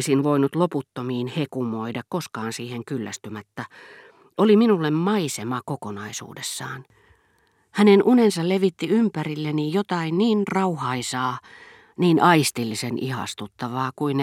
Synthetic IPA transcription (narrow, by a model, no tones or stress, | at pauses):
sinʋoinut̪loput̪ːomiːnhekumoidɑkkoskɑːnsiːheŋkylːæ̰st̪ymæt̪ːæ | oliminulːemmɑisemɑkokonɑisṵːdesːɑːn | hænenʔunensɑlleʋit̪ːiympærilːenijot̪ɑinniːnrɑuhɑisɑː | niːnʔɑist̪ilːisenʔḭhɑ̰st̪ut̪ːɑʋɑːkuin